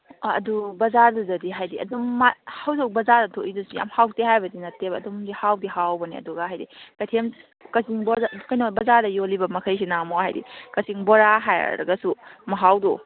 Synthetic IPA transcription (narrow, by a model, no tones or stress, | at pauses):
ɐ̰dubɐzaɾduzɐdiɦajdiɐ̰domːahawzok̚bɐzaɾdɐtʰoʔidusuja̰mhawteɦajbɐdinɐtːebɐɐdomdihawdiɦawbɐnḭɐ̰duɡaɦajdḭkɐjtʰem | kɐsiŋbokɐjnobɐzaɾdɐjolibɐmɐkʰɐjs̬inamoɦa̰jdḭkɐsiŋboɾaɦaj̰ɾɐ̰ɡɐsumɐɦawdo